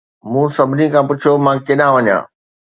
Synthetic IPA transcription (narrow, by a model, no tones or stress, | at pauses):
mũːsɐbʱɪnikʰãpʊt͡ɕʰjomãkɪɗãʋɐɲã̰ː